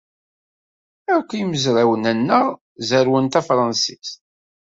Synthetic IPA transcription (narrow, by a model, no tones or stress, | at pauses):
ækʷːijməzɾawənænːəʁ | zəɾwənt̪æfɾˤɑnsis